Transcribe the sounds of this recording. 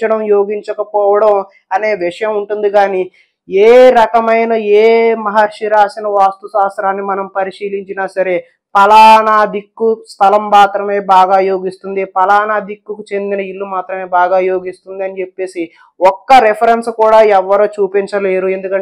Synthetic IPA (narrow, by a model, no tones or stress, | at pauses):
t͡ʃɐɽɐmjo̞ːɡiɲt͡ʃɐkɐpɔːʋɐɽɐm | ɐne̞ːʋiʂɐjɐmuɳʈund̪iɡaːni | eːɾɐkɐmɐjnɐeːmɐɦɐɾʂiɾaːsinɐʋaːst̪usaːsɾaːnːimɐnɐmpɐɾiʂiːliɲt͡ʃinaːsɐɾe̞ | pɐlaːnaːd̪ikːust̪ʰɐlɐmːaːt̪ɾɐme̞ːbaːɡaːjo̞ːɡist̪und̪ipɐlaːnaːd̪ikːukut͡ʃe̞nd̪inɐilːumaːt̪ɾɐme̞ːbaːɡaːjoːɡist̪und̪ɐnit͡ʃe̞pːe̞ːsi | ɔkːɐɾepʰɐɾenskuːɽaːɛʋːɐɾoːt͡ʃuːpiɲt͡ʃɐle̞ːɾue̞nd̪ukɐɳ